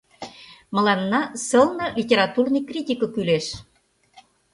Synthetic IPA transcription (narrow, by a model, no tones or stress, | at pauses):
mə̆lɑnːɑsəlnɤ̆lʲitʲeɾɑt̪urnɨjkrʲitʲikɤ̆kyleʃ